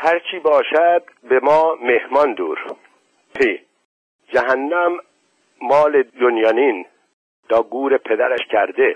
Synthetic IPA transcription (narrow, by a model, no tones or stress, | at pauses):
hæɾt͡ʃʰiːbɒːʃæd̪̚bemɒːmehmɒnd̪ṵːɾ | pʰe | d͡ʒæɦænːæmː | ɒːled̪onjɑːniːn | t̪ʰɒːɡuːɾepʰed̪æɾæʃcʰæɾd̪e